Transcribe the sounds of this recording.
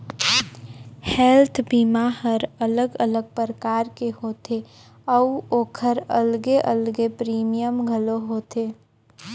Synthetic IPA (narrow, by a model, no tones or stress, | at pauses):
hɛlt̪ʰbiːmaɦəɾələɡələɡ̚pɾəkaːɾkeɦoːt̪ʰe | ɔːoːkʰəɾə̰lɡeʔəlɡepɾiːmijəmɡʱəloɦoːt̪eː